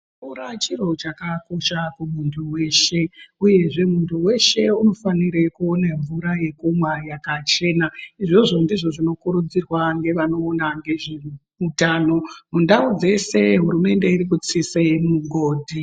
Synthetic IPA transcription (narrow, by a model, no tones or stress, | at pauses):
uɾat͡ʃiro̞t͡ʃakako̞ʃakumuntʰuwe̞ːʃe̞uje̞ʐe̞muntʰuwe̞ʃe̞uno̞faniɾe̞kuoneɱvuɾaje̞kumwajakat͡ʃe̞ːnaiʐoʐondiʐo̞ʐino̞kuɾud͡zirwaŋɡe̞ʋano̞ːnaŋɡe̞ʐe | utaːno̞mundaud͡ze̞se̞ɦuɾume̞nde̞iɾikut͡sisemuɡʱoːdʱi